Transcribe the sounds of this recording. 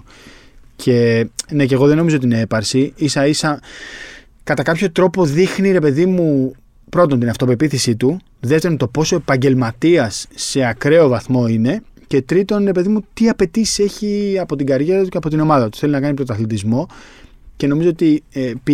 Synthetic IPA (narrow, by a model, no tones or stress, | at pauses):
cʰe̞ne̞ceɣo̞ðe̞no̞mizoot̪inee̞pɐɾsiisɐisɐ | kɐt̪ɐkɐpço̞t̪ɾo̞po̞ðixniɾe̞pe̞ðimu | pɾo̞t̪̬o̞nt̪inɐft̪o̞pe̞piθisit̪u | ðe̞ft̪eɾo̞nt̪o̞po̞so̞e̞pɐɲɟe̞lmɐt̪iɐsːe̞ɐkɾe̞o̞vɐθmo̞ine̞ce̞t̪ɾit̪o̞nɾe̞pe̞ðimut̪iɐpe̞t̪isi̥se̞çiɐpo̞t̪iɡɐɾʝeɾɐt̪uceɐpo̞t̪ino̞mɐðɐt̪u̥θe̞linɐkɐnipɾot̪ɐθlit̪izmo̞ | ce̞no̞mizo̞ot̪ip